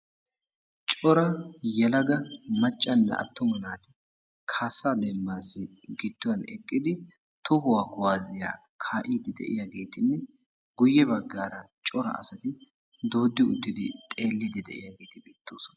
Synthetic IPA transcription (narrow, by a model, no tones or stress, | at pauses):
t͡ʃʼɔɾɐjɛlɐɡɐmɐt͡ʃʼːɐnːɛ̰ʔɐ̰t̪ːɔmɐnaːt̪ɪ | kʰaːsad̪ɛmbaːsːɪ | ɡɪd̪ːʊwɐnɛkʼːɪd̪ɪ | t̪ʊhʊwaːkʊwaːzɪja̰ː | kʰaːʔiːd̪ɪd̪ɛ̰ʔɪjaɡe̞ːt̪ɪnːɛ | ɡʊjːɛbɐɡːaːɾɐt͡ʃʼɔɾɐ̰ʔɐ̰sɐt̪ɪ | d̪o̞ːd̪ːɪʊ̰d̪ːɪd̪ɪt̪ʼe̞ːlːɪd̪ɪd̪ɛ̰ʔɪ̰jaɡe̞ːt̪ɪbiːt̪ːo̞ːsɔnɐ̥